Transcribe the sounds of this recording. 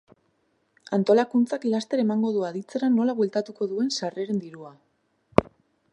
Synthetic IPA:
ant̪o̞lakunt͡sakilast̪e̞ɾe̞maŋɡo̞ð̞uaðit͡se̞ɾanːo̞laβwe̞lt̪at̪uko̞ðue̞nsare̞ɾe̞nd̪iɾua

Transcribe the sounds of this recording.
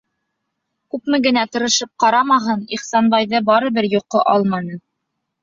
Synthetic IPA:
kʉpmɘɡɘ̆næt̪ɤ̆ɾɤ̆ʃɤp̚qɑɾɑmɑɦɤniχsɑnbɑjðɤbɑɾɤ̆bɘɾjuqːɤʔɑlˠmɑnɤ

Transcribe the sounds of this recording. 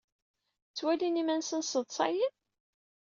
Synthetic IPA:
t͡sːwælinimænsənsəðˤsˤɑ̰jən

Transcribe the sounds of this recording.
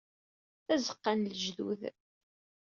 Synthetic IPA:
θæzə̥qːanləʒðṵð

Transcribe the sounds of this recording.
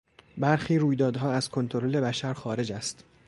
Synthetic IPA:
bæɾxiːɾuːjd̪ɒːd̪ɦɒːæzkʰo̞nt̪ʰoɾole̞bæʃæɾxɒːɾe̞d͡ʒæst̪

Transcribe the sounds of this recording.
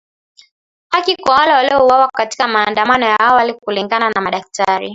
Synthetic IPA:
akikɔwalawaliɔuwawakati̥kamaːndamanɔjaawalikuliŋɡananamaɗak̚taɾḭ

